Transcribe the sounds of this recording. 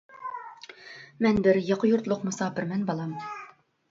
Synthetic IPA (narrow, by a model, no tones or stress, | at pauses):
mɛnbɪɾjɑqjuɾt̪lˠʊqmʊsɑːpɪɾmɛnbɑlˠɑm